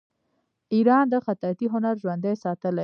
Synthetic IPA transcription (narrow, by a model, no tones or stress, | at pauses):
iɾɑnd̪əxat̪ɑt̪iɦʊnaɾʒwand̪ajsɑt̪əla